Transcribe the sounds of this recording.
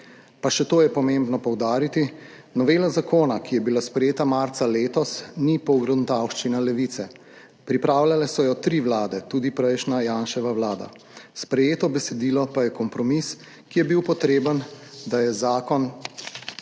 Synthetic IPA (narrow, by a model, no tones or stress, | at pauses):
paʃɛt̪oːjɛpɔmembnɔpɔwd̪aːɾit̪i | nɔʋeːlazakoːnakijɛbilaspɾɛjeːt̪amaɾt̪saleːt̪ɔsnipɔwɡɾɔd̪nt̪awʃt͡ʃinalɛʋit̪sɛ | pɾipɾaːwlʲjalɛsɔjɔt̪ɾiːʋlaːd̪ɛt̪uːd̪ipɾɛjʃnajaːnʃɛʋaʋlaːd̪a̰ | spɾɛjeːt̪ɔbɛsɛd̪iːlɔpajɛkɔmpɾɔmis | kijɛbiwpɔt̪ɾeːbənd̪ajɛzaːkɔn